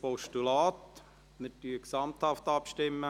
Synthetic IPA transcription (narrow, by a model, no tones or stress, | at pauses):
pɔʃtulaːt̪ | mɪtyəksɑmt̪hɑft̪ɑpʃtɪmːə